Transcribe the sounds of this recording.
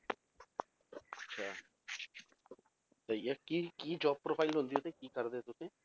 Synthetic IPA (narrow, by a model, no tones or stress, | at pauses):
ɐtːʃʰaː | t̪ɐjakikiːd͡ʒɔːb̚pɾoːpʰaːɪlɦõnd̪iɦoːt̪ekiːkɐɾd̪et̪ʊsẽː